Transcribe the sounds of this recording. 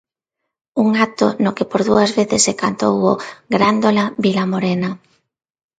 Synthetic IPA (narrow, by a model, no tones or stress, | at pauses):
uŋat̪onokepoɾðuɐzβeθɪsːekant̪owoɡɾand̪olaβilamoɾena